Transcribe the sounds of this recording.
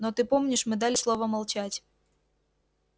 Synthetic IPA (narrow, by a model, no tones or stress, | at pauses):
not̪ɨpomnʲɪʂmɨd̪alʲɪslˠo̞vəmɐlˠt͡ɕatʲ